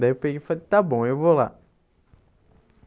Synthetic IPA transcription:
d̪aiewpeɡejfalet̪abõewvola̰

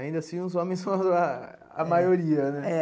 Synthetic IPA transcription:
ĩnd̪ɐsĩũzõmẽsɐ̃a | a̰mmajoɾiɐnɛɛ

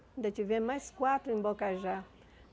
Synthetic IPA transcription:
nd̪at͡ʃivjẽmmajskwat̪uimbokaʒa

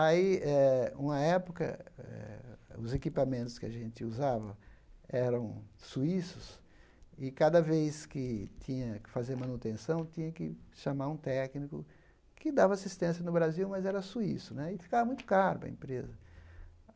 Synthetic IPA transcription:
aiɛũmɐɛpʊkɐ̰ɛ̰ɛ̰ʊ̰zekipamẽnt̪ʊskɪa̰ʒẽnt̪ɪuzavɐ̰ɛɾɐ̃w̃suisʊs | ɪkad̪ɐvejskɪt̪ʰĩɲɐkɪfazeɾmɐ̃nut̪ẽsɐ̃w̃t̪ĩɲɐkɪʃamaɾũt̪ɛknikʊ̰ | kɪd̪avɐasist̪ẽsjɐnʊbɾaziwmɐzɛɾɐsuisʊnɛɪfi̥kavɐmũj̃t̪ʊ̥kaɾʊpɐ̰ḛ̃pɾezɐ

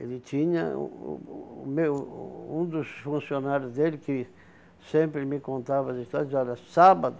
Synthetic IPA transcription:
ḛlɪt̪ĩɲɐ̰̃ | mewũd̪ʊsfũsjonaɾjʊzd̪elɪkɪ | sẽmpɾɪmɪkõnt̪avɐd̪est̪ad̪zaɾasabad̪ʊ

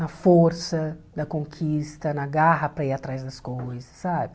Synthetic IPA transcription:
nɐfoɾsɐd̪ɐkõŋkʰist̪ɐnɐɡaɦɐpɾɐiat̪ɾazd̪ɐskojzɐsːabɪ

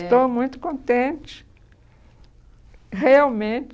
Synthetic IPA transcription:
st̪omũj̃t̪ʊ̥kõnt̪ẽnt͡ʃɪ̥ | heawmẽnt͡ʃ

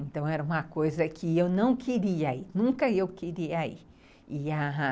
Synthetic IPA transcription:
ẽnt̪ɐ̃w̃ɛɾɐũmɐkojzɐkʰɪewnɐ̃w̃kʰɪɾiainũŋkɐewkɪɾiaḭ | iaɦã

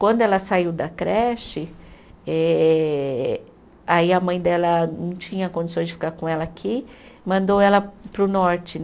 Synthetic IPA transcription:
kwɐ̃nd̪ʊɛlɐsaiwd̪ɐkɾɛʃɪ | ɛ | aiɐmɐ̃j̃d̪ɛlɐnɐ̃w̃t͡ʃĩɲɐkõd͡ʒisõj̃zd͡ʒɪfi̥kaɾkõɛlɐakʰimɐ̃nd̪owɛlɐpɾʊnɔɾt͡ʃɪ

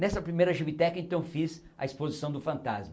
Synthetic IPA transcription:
nɛsɐpɾimejɾɐʒibit̪ɛkɐẽnt̪ɐ̃w̃fiz | ɐ̰ispozisɐ̃w̃d̪ʊfɐ̃nt̪a̰zmɐ

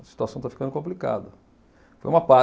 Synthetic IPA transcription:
ɐsi̥t̪uasɐ̃w̃t̪afikɐ̃nd̪ʊkõmplika̰d̪ɐ | fo̰jũmɐpa

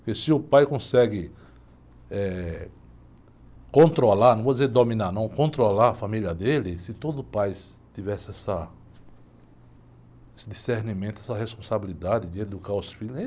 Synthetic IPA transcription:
kesɪʊpajkõsɛɡɪ | ɛ | kõnt̪ɾolaɾnɐ̃w̃vod̪ɪzeɾd̪omĩnanɐ̃w̃kõnt̪ɾolaɾafamiljɐd̪elɪsɪt̪od̪ʊpaj | t̪ivɛsɪɛsɐ | esɪd̪iseɾnimẽnt̪ʊɛsɐɦespõsabilid̪ad̪ɪd͡ʒɪed̪ukaɾʊsfilʊ

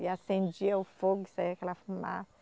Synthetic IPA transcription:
iasẽnd͡ʒiɐʊfoɡʊi̥saiakɛlɐfuma̰sɐ

